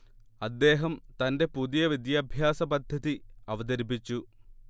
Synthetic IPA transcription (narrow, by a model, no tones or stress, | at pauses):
ɐd̪ːe̞ːɦɐmt̪ɐnde̞puðijɐʋid̪jɐːbʱjaːsɐbɐd̪ʱːɐðiɐʋɐd̪ɐɾibit͡ɕːu